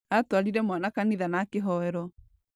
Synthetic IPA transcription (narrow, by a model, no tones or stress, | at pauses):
atwaɾiɾɛmwanakaniðanakeɦɔɛɾɔ